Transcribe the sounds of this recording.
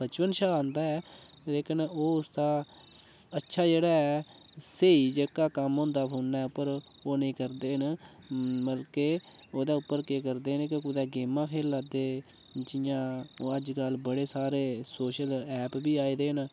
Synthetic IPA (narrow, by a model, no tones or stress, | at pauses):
bət͡ʃʋənʃaːãːnd̪aːɛː | leːkɪnoːʊsd̪aː | ətːʃʰaːd͡ʒeːɽaːɛː | seiːd͡ʒekaːkəmɦõːnd̪aːpʰoːnːaːʊpːəɾ | oːnəĩːkəɾd̪eːɦən | bəlkeː | oːd̪aːʊpːəɾkekəɾd̪eːɦənkɪʊd̪aːɡeːmãːkʰeːlːaːd̪eː | d͡ʒɪjãːoːəd͡ʒkəlbəɽeːsaːɾeːsoːʃəlɛːpbiːaːiːd̪eːɦən